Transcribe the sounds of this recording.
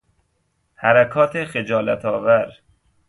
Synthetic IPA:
hæɾækʰɒːt̪ʰexed͡ʒɒːlæt̪ʰɒːvæɾ

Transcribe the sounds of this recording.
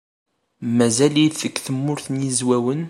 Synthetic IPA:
mæzæljiθθəkːθəmːʊɾθnjizwæwən

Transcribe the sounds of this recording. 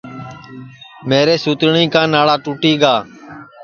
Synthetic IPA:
meːɾeːsuːt̪ɳĩːkãːnaːɭaːʈuːʈiːɡaː

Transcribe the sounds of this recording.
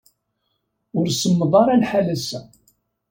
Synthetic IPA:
ʊɾsəmːəðˤɑɾˤɑnħalæsæ

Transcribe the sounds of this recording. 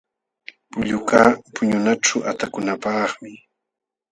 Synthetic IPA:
pʊʎʊkaːpʊɲʊnaʈ͡ʂaʔat̪akʊnapɑχmɪ

